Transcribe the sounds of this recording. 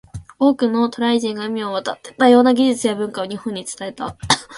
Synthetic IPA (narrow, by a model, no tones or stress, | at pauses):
o̞ːkɯ̟no̞t̪o̞ɾaiʑĩŋɡaɯ̟mʲioβat̪a̰t̪ːet̪ajo̞ːnaɡʲiʑit͡sɨjabɯ̟̃ŋkao̞ɲ̟ihõ̞ɲ̟ːit͡sɨ̥t̪ae̞t̪a